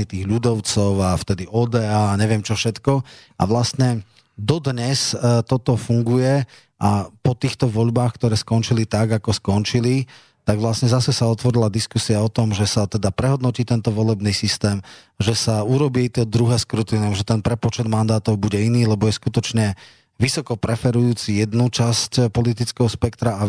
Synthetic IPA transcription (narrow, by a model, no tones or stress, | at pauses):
it̪iːɣʎud̪ɔʊt͡sɔʊaft̪ɛd̪iʔɔːd̪ɛːaːɲɛʋɪɛmt͡ʃɔfʃɛt̪kɔ | a̰ʋlast̪ɲɛ | d̪ɔd̪ɲɛst̪ɔt̪ɔfuŋɡujɛ | ʔapɔt̪iːxt̪ɔʋɔʎbaːxkt̪ɔɾɛːskɔnt͡ʃilit̪aɡakɔskɔnt͡ʃili | t̪aɡʋlasɲɛzasɛsaɔt̪ʋɔɾilad̪iskusiaɔt̪ɔmʒɛsat̪ɛd̪apɾɛɦɔd̪nɔciːt̪ɛnt̪ɔʋɔlɛbniːsist̪ɛːm | ʒɛsauɾɔbiɛit̪ɔd̪ɾuɦɛːskɾut̪iːnɛmʒɛt̪ɛnpɾɛpɔt͡ʃɛd̪mand̪aːt̪ɔʊbuɟɛiniːlɛbɔjɛskut̪ɔt͡ʃɲɛ | ʋisɔkɔpɾɛfɛɾujuːt͡sijɛd̪nut͡ʃascpɔlit̪̬it͡skɛɦɔspɛkt̪ɾaa